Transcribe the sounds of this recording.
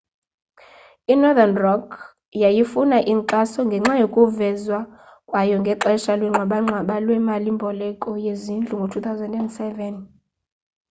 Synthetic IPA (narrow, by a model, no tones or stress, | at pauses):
inɔðanrɔkʰ | jajifunaʔiŋǃasɔŋɡʱɛŋ͡ǁajokʼuvɛzwa | kʼwajɔŋɡʱɛǃɛʃalwɛŋ͡ǁʱwaɓaŋ͡ǁʱwaɓalwɛmalimbʱɔlɛkʼɔjezind͡ɮʱuŋɡʱotʰut̪ʰawzɛndɛndsɛvɛn